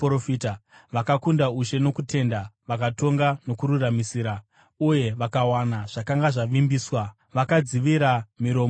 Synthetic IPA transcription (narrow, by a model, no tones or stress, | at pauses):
ofitaʋakakundauʃe̞no̞kute̞ndaʋakato̞ŋɡano̞kuɾuramisiːɾa | uje̞ʋakawanaʐ̥akaŋɡaʐaʋimbiːswa | ʋakad͡ziʋiɾamiɾo̞ːm